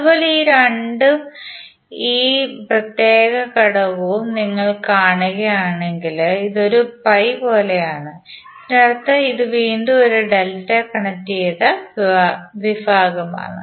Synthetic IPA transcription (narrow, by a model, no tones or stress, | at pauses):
ɐðupo̞ːleiːɾɐɳɖɨ | iːprɐt̪jeːɣɐkɐɽɐʋuʋumniŋːɐɭkaːɳuɣɐjaːɳe̞ŋɡiliðo̞ɾupɐjpo̞ːlejaːɳɨ | nɐrɐt̪ːɐiðuʋiːɳɖɨo̞ɾuɖeltːɐkɐɳɐtːijɐðɐ | ʋibʱaːɣɐma̰ːɳɨ